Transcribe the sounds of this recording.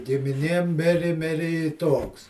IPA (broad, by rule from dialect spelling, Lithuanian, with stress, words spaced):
ɡʲɪmʲɪˈnʲeːm ˈmʲɪrʲɪ ˈmʲɪrʲɪ ɪ ˈtoːks